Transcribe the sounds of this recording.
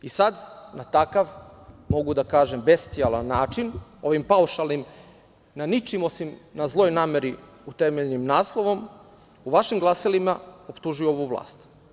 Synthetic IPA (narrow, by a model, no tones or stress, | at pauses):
isad̪nat̪akaʋmo̞ɡud̪akaːʒembest̪ialˠanːaːt͡ʃino̞ʋimpauʃalˠnim | nanit͡ʃimosimnazlˠo̞jnaːme̞ɾi | ut̪emeʎnimnaːslˠoʋo̞m | uʋaʃimɡlˠasilimao̞pt̪uʒujuoʋuʋlˠa̰ːst̪